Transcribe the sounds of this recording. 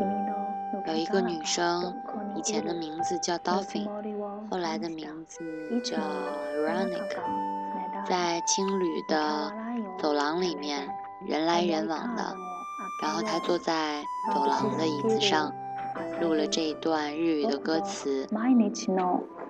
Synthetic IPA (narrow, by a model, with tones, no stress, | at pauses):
jo˨˩ʊi˧˥ɡə˧ny˨˩ʂɤ˥ŋ | i˨˩t͡ɕʰjɛ˧˥nd̪ə˧mi˧˥ŋd͡zɹ̩˧t͡ɕjɑ˥˩ʊt̪ɑ˥ʊfḭ˨˩xo˥˩ʊla˧˥ɪd̪ə˧mi˧˥ŋd͡zɹ̩˧ | t͡ɕjɑ˥˩ʊ˧˩a˥nḭ˨˩kʰ | t͡sa˥˩ɪt͡ɕʰi˥ŋly˨˩d̪ə˦ | t͡so˨˩ʊlɑ˧˥ŋli˨˩mjɛ˥˩n | ɻə̰˧˥nla˧˥ɪɻə˧˥nwɑ̰˨˩ŋd̪ə̰˦ | ɻa˧˥nxo˥˧ʊt̪ʰa˥t͡swɔ˥˧t͡sa˥˧ɪ | t͡so˨˩ʊlɑ˧˥ŋd̪ə˧i˥˩t͡sɹ̩˨˩ʂɑ˥˩ŋ | lu˥˩lə˩ʈ͡ʂɤ˥˧i˧˥t̪wa˥˧nɻ̩˥˩y˨˩˦d̪ə˦kɤ˥t͡sʰɹ̩˧˥n˥˧